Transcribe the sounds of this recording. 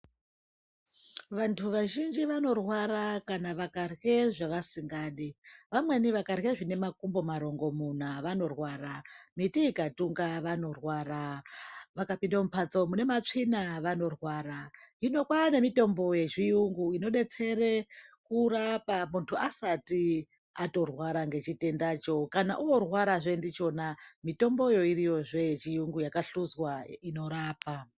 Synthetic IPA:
ʋantʰuʋaʒind͡ʒiʋano̞rwaɾakanaʋakarɣe̞ʐaʋasiŋɡaːɗiʋamwe̞niʋakarɣe̞ʐine̞makumbo̞maɾo̞ŋɡo̞mun̤aʋano̞rwaːɾamitiːkatuŋɡaʋano̞rwaɾa | ʋakapindamupʰat͡so̞mune̞mat͡ʂinaʋano̞rwaːɾaino̞kwane̞mito̞mbo̞je̞ʐiuŋɡuino̞ɗe̞t͡se̞ɾe̞kuɾapamuntʰuasati | ato̞rwaɾaŋɡe̞t͡ʃite̞ndaːt͡ʃo̞kanaʔuworwaɾaʐe̞ndit͡ʃo̞namito̞mbo̞jo̞iɾijo̞ʐet͡ʃijuŋɡujakaɬuzwaino̞ɾaːpa

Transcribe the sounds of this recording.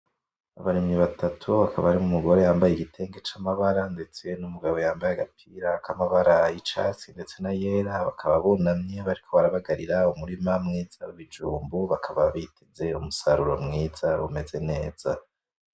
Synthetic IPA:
aβaɾimɲiβatatʰuβakaβaɾimumuɡo̞ɾe̞jaːmbajeɡitʰe̞ːŋɡe̞t͡ʃamaβaɾande̞t͡se̞numuɡaβo̞jaːmbajaɡapʰiɾakamaβaɾait͡ʃa̰t͡sinde̞t͡se̞najeːɾaβakʰaβaβonamɲe̞βaɾikʰo̞βaɾaβaɡaɾiɾaumuɾimamŋiːz̥auβid͡ʒuːmbuβakʰaβaβitʰeze̞umusaɾuɾo̰mŋiːz̥aβume̞ze̞ne̞ːz̥a

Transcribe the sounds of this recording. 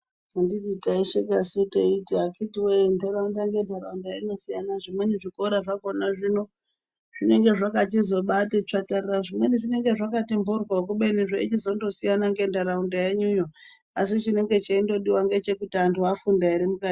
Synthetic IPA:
andititaiʃekasiteitiakitiwendeɾaundaŋɡe̞ndaɾaundajaino̞sijanaʐimweniʐiko̞ɾaʐakonaʐino̞ | ʐ̥ine̞ŋɡe̞ʐakatizo̞ɓatet͡ʂatariraʐimweniʐine̞ŋɡe̞ʐakatimburwaok̬uɓeniʐait͡ʃizo̞ndo̞sijanaŋɡe̞ːndaɾaundajeɲujo | asit͡ʃine̞ŋɡe̞t͡ʃaindo̞ɗiwaŋɡe̞t͡ʃe̞kutiantʰuafundaiɾimukadi

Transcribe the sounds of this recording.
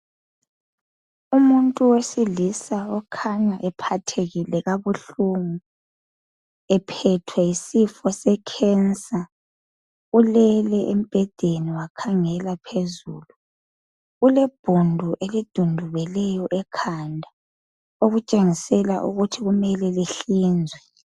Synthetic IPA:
umuntʼuwesilisaɔkʰaɲaʔɛpʰatʰeɣilɛɣaβuɬuŋu | ɛpʰɛtʰwɛisifɔsɛkʰɛnsʼa | ulɛlɛʔem̩b̥ʱɛd̥ʱeniwakʰaŋɛlapʰezṵlu | ɣulɛb̥ʱundʱuʔelid̥ʱundʱuβɛlɛjɔʔɛkʰandʱa | oɣut͡ʃʼeŋisɛla̰ʔṵɣutʰiɣumɛlɛleɬiːnd͡zʱwɛ

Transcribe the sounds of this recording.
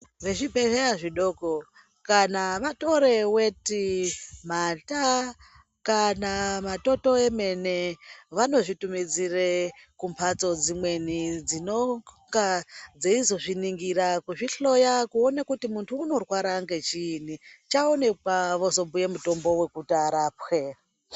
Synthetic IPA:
ʋe̞ʐibʱereaʐiɗo̞ːko | kanaʋato̞ɾe̞we̞timata | kanamato̞to̞e̞me̞ne̞ʋano̞ʐitumid͡zirekumpʰat͡so̞d͡zimwe̞nid͡zino̞ŋɡad͡zeizo̞ʐiniŋɡirakuʐiɬo̞jakuo̞nekutimuntʰuːno̞rwaɾaŋɡe̞t͡ʃiːnit͡ʃaone̞kwaʋo̞zo̞mbuje̞muto̞mbo̞we̞kutaɾaːpwe

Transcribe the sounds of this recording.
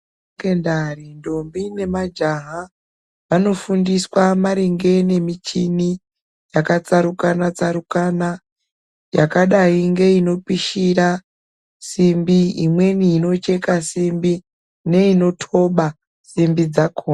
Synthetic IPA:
kendarindo̞mbine̞mad͡ʒaɦa | ʋano̞fundiswamaɾiŋɡe̞ne̞mit͡ʃini | jakat͡saɾukanat͡saɾukana | jakaɗaiŋɡe̞ino̞piʃiɾa | simbiimwe̞niːno̞t͡ʃe̞kasimbi | ne̞ino̞tʰo̞ɓa | simbid͡zakʰoː

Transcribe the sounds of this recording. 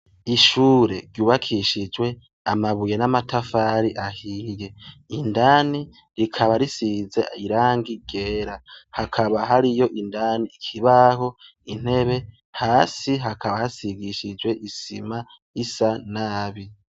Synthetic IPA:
iʃuːɾe̞ɾjuːβakʰiʃid͡ʒwe̞ | amaβujenamatafaɾiʔahiːje̞indani | ɾikʰaβaɾisize̞iɾaːŋɡiɡe̞ːɾahakʰaβaɦaɾijo̞ʔindaniːkʰiβaho̞ | in̥he̞βe̞ | haːsiɦakaβahasiɡiʃid͡ʒwe̞ʔisḭma | isanaːβi

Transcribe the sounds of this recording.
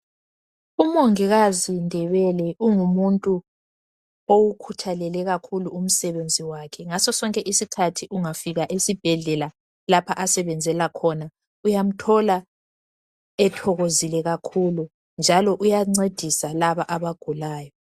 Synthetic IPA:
umoŋiɣazindʱɛβɛlɛʔuŋumuntʼu | owukʰutʰalɛlɛɣakʰuluum̩sɛβend͡zʱiwakʰɛŋasɔsɔŋkʼɛʔisikʰatʰiʔuŋafiɣaʔesib̥ʱɛɮɛla | lapʰaʔasɛβɛnd͡zʱɛlakʰɔna | ujam̩tʰɔla | ɛtʰɔɣozilɛɣakʰulu | nd͡ʒʱalɔʔujaŋ͡ǀed̥ʱisalaβaʔaβaɡ̥ʱulaːjɔ

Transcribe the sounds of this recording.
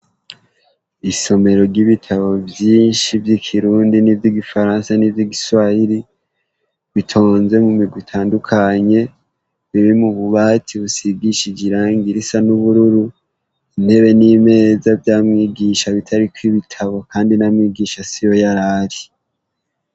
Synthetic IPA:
iso̞me̞ɾo̞ɾɟiβitʰaβo̞bjiːnʃivjikʰiɾuːndinivjiɡifaɾaːnsanivjiɡisuwahiɾi | βitʰo̞ːnze̞mumiɡwitʰaːndukʰaɲe̞ | βiɾimuβuβaːtʰiβusiɡiʃid͡ʒiɾaːŋɡiɾisanuβuɾuɾu | in̥he̞βe̞nime̞zavjaːmŋiːɡiʃaβitʰaɾikwiβitʰaβo̞kaːndinamŋiːɡiːʃasijo̞jaɾaɾi

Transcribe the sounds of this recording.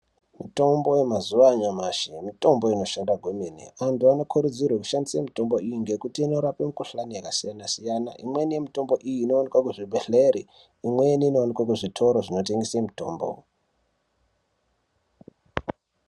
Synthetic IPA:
mito̞mbo̞jemazuʋaɲamaʃimito̞mbo̞ino̞ʃandaɡʱwumenḭantuano̞kʰuɾud͡zirwaku̥ʃandisamito̞mbo̞ijiŋɡe̞kutiino̞ɾapemukuɬanijakasijanasijana̰ʔimwe̞nije̞mito̞mbo̞ʔijiːno̞ʋanikwakuʐibʱeɬeɾi | imweniːno̞ʋanikwak̬uʐitʰo̞ɾoʐino̞te̞ŋɡesemito̞̰ːmbo̰

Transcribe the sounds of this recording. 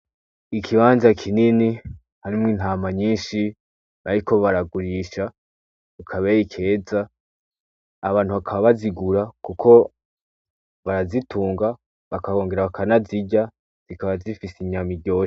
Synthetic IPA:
ikʰiβaːnzakʰinini | haɾimŋiːn̥aːmaɲiːnʃi | aɾiko̞βaɾaɡuɾiʃa | ukʰaβejikʰe̞ːza | βaːnhuβakʰaβaβaziɡuɾakukʰo̞ | βaɾazitʰuːŋɡa | βakaɣo̞ːŋɡe̞ɾaβakʰanaziɟa | z̥ikaβazifisiɲamiɡɟo̞ːʃe

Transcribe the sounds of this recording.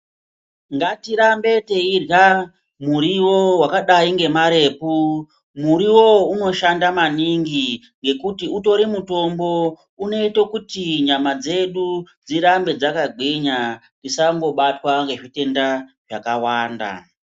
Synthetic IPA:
ŋɡatiɾambe̞te̞irja | muɾiwo̞wakaɗaiŋɡe̞maɾe̞ːpu | muɾiwo̞uno̞ʃandamaniŋɡi | ŋɡe̞kutiuto̞ɾimuto̞mbo̞ | uno̞itokutiɲamad͡ze̞ɗu | d͡ziɾambe̞d͡zakaɡʱwiɲa | risaŋɡo̞ɓatwaŋɡe̞ʐite̞ndaʐakawaːnda̰

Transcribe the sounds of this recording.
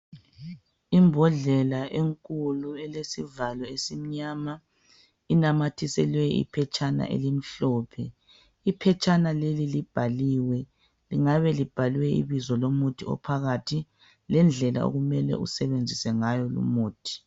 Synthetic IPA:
imbʱɔɮɛlaʔeŋkʼuluɛlesivalɔesim̩ɲaːma | inamatʰisɛlwɛḭpʰɛt͡ʃʼana̰ʔḛlim̩ɬɔːpʰɛ | ipʰɛt͡ʃʼanalelilib̥ʱaliwɛ | liŋaβɛlib̥ʱalwɛḭβizɔlomutʰiɔ̰pʰaɣatʰi | lɛnd͡ɮʱɛla̰o̰ɣumɛlɛ̰ʔṵsɛβend͡zʱisɛŋajɔlṵmuːtʰi̥

